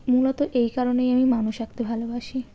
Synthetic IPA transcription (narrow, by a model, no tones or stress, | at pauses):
mulot̪oʔejkaɾonejamimanuʃak̚t̪ebʱalobaʃi